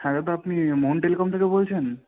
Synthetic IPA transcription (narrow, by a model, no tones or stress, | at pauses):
haɾt̪̬oapnimonʈelekɔmt̪ʰekebolt͡ɕʰen